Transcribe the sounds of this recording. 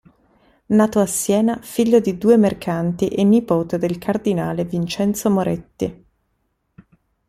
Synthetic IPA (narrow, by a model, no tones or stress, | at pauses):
naːt̪oasːjɛːnafiʎːod̪id̪uːemerkʰant̪iʔenːipoːt̪ed̪elkʰard̪inaːlevint͡ʃɛnt̪somoɾet̪ːḭ